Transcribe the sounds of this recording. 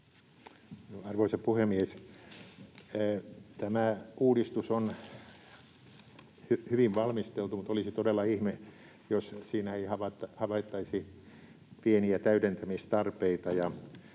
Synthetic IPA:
nɑrʋoisɑpuhemies | t̪æmæuːdist̪uson | hyhyʋiʋʋɑlmist̪elt̪umut̪olisit̪odelːɑihme | jossiːnæeihɑʋɑt̪ːɑhɑʋɑit̪ːɑisi | pieniæt̪æyɾent̪æmist̪ɑrpeit̪ɑjɑ

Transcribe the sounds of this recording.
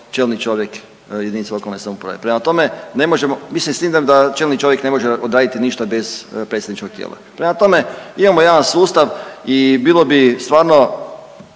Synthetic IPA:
t͡ʃeːlnit͡ʃo̞ʋjek | jed̪init̪selo̞kalnesamupɾa̰ʋe̞̰pɾemat̪o̞me̞ne̞mo̞ʒemomisisimd̪amd̪at͡ʃeːlnit͡ʃo̞ʋjekne̞mo̞ʒeod̪ɾaːd̪it̪iniʃt̪abe̞zpɾetsed̪nit͡ʃko̞k̚t̪jḛːlʔa̰pɾe̞mat̪o̞me̞imamojaːʋansuːst̪aʋibiːlˠo̞bist̪ʋaːɾno̞

